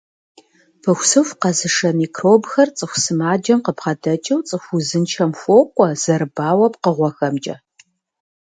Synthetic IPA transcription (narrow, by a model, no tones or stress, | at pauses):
pʰɨxʷsɨfqɐzɨʂɐmiːkʰroːbxɐrt͡sʼɨxʷsɨmaːd͡ʒɐmqəpχɐdɐt͡ʃʼɐwt͡sʼɨxʷuzɨnt͡ʃʰɐmfʷoːkʷʼɔz̥ɐɾɨbaːwɐpqəʁʷɔxɐmt͡ʃʼɐ̰